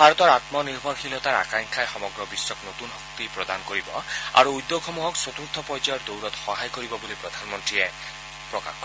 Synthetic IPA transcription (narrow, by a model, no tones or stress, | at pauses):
bʱaɹɔt̪ɔɹat̪mɔniɾbʱɔɾxilɔt̪aɹakaŋkʰajxɔmɔɡɹɔbiswɔknot̪unɦɔk̚t̪ipɹɔd̪ankoɹibɔa̰ɾuːjd̪ːoxɔmuɦɔkswot̪uɾt̪ʰɔpɔjd͡ʒajɔɹd̪owɾɔt̪xɔɦajkoɾibɔbolipɾɔd̪ʱanmɔnt̪ɹie | pɹɔka̰kkɔ